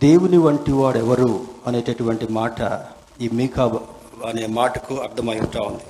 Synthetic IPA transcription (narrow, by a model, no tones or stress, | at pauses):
d̪e̞ːwuniʋɐɳʈiʋaːɽɛʋɐɾuɐneːt͡ʃeʈuʋɐɳʈimaːʈɐ | iːmiːkʰaːb | ɐneːmaːʈɐkuɐɾd̪ɐmɐjusʈ̪aːund̪i